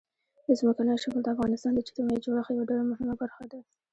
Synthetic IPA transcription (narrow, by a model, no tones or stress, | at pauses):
d̪əzməkanəjoʃaməld̪əafɣɑnɪst̪ɑnd̪ət͡ʃi̥t̪imajid͡ʒoɽaxjawaɖalamʊɦɪmabaɾxad̪a